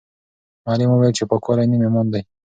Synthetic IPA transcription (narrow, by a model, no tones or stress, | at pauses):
malimuwelt͡ʃepəkoɾanimemond̪aj